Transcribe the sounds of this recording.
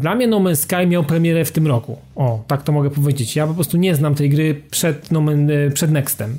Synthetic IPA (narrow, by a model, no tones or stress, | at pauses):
d̪lamɲɛnɔmɛnskajmʲjawpɾɛmʲjɛɾɛft̪ɘmɾɔkṵ | ɔt̪akt̪ɔmɔɡɛpɔvʲjed͡ʑet͡ɕjapɔpɾɔst̪uɲɛznamt̪ɛjɡɾɘpʂɛd̪nɔmɛnpʂɛd̪nɛkst̪ɛm